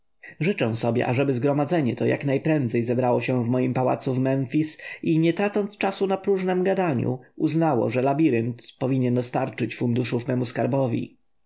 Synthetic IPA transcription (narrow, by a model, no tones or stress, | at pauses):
ʐɘt͡ʂɛ̃w̃sɔbʲjɛ̰ʔaʐɛbɘzɡɾɔmad̪zɛɲɛt̪ɔja̰knajpɾɛnd̪zɛjzɛbɾawɔɕɛvmɔjimpawa̰t̪suvmɛnfʲisiɲɛt̪ɾat̪sɔnt̪st͡ʂasunapɾuʐnɛmɡad̪aɲṵuznawɔ̰ʐɛlabʲiɾɘnt̪pɔvʲiɲɛnd̪ɔst̪aɾt͡ʂɘt͡ɕfund̪uʂuvmɛmuskaɾbɔvʲḭ